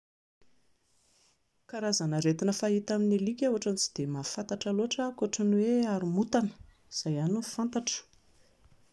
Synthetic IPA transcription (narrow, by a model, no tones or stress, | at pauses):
kaɾazanəɾet̪inəfait̪aminilikʲewaʈ͡ʂant͡si̥d̪̥emafant̪aʈ͡ʂaloaʈ͡ʂaakoaʈ͡ʂənuweaɾimut̪anə̥ | iz̥ajaninfant̪aʈ͡ʂə̥